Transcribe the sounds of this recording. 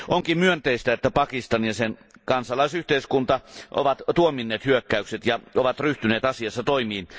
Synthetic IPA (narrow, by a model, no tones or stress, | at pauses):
ʔoŋkimmyønt̪eist̪æet̪ːæpɑkist̪ɑnjɑsen | kɑnsɑlˑɑˑisyht̪eˑiskunt̪ɑʔo̰ʋɑt̪t̪uominːeːt̪hyøkːæykset̪jɑoʋɑt̪ryht̪yneːt̪ɑsiɑsːɑt̪oimiːn